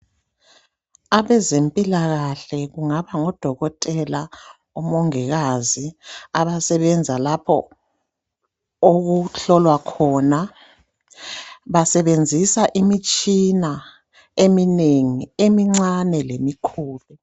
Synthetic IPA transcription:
aβɛzempʼilaɣaɬɛɣuŋaβaŋɔd̥ʱɔɣɔtʼɛla | ɔmɔŋɛɣaziaβasɛβɛnd͡zʱalapʰɔ̰ | oɣuɬɔlwakʰɔːna | βasɛβend͡zʱisaʔimit͡ʃʼina | emineŋiemiŋ͡ǀanɛlemikʰuːlu

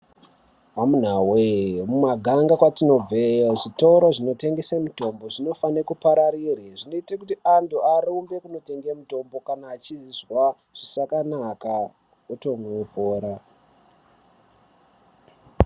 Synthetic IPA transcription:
ʋamun̤awemumaɡʱaŋɡakwatino̞b͡veoʐitoɾoʐino̞te̞ŋɡesamuto̞mbo̞ʐino̞fanekupaɾaɾireʐino̞itakutiantuaɾumbe̞kuno̞te̞ŋɡemuto̞mbo̞kanaːt͡ʃiziswa | ʐ̥isakanaka | oto̞nwepoːɾa

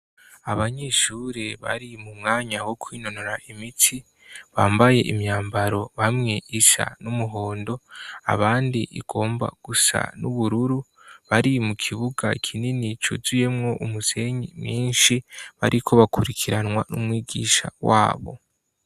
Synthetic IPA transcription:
aβaɲeʃuːɾeβa̰ɾimumŋaːɲawo̞kʰwiːno̞no̞ɾaʔimitʰi | βaːmbaje̞̰ʔimɲaːmbaɾo̞βamŋe̞ʔiʃa̰numuɦo̞ːndo̞a̰βaːndiʔḭɡ̥o̞ːmba̰ɡ̥usa̰nuβuɾuɾu | βaɾimukʰiβuɡakʰininit͡ʃṵzuje̞mŋo̞ʔumuse̞ɲimɲiːnʃiβa̰ɾʔikʰo̞βakuɾikʰiɾanŋwanṵmwiːɡḭːʃa̰waːβo̞̰

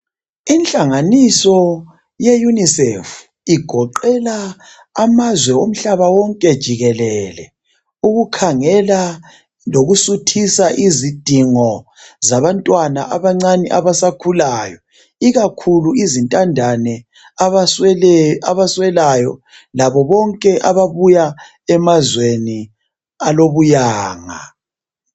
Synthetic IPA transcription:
inɬʼaŋanisɔ | jejunisɛf | iɡ̥ʱɔǃɛlaː | mazwɛom̩ɬaβawɔŋkʼɛd̥ʒ̥ʱiɣɛlɛlɛ | uɣukʰaŋɛla | loɣusutʰisaʔizid̥ʱiŋɔ | zaβantʼwana̰ʔaβaŋ͡ǀaniʔa̰βasakʰulaːjɔ | iɣakʰuluizintʼandʱanɛ | aβaswɛlajɔ̰ | laβɔβɔŋkʼɛʔaβaβuja | ɛmazweni | aloβujaːŋa̰

